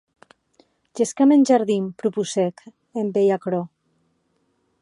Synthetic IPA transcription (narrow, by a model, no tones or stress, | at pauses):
ʒeskamenʲʒaɾðimpɾupusek | embejakɾo